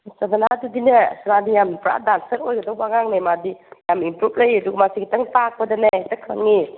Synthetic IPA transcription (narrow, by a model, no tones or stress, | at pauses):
sadanadudinɐsnadijampɾa̰dansɐɾojɡɐdowaŋaŋnemadijamimpɾup̚ʰləjɐduɡɐmasiɡitɐŋtak̚pɐdɐnetɐkʰa̰ŋi